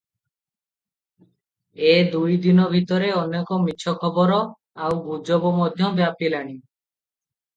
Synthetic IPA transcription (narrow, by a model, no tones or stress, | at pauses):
ed̪ujd̪inɔbʱit̪ɔɾeɔnːekɔmiʃʰɔkʰɔbɔɾɔ | awbud͡ʒɔbɔmɔd̪ʱjɔbjapilaɽ̃i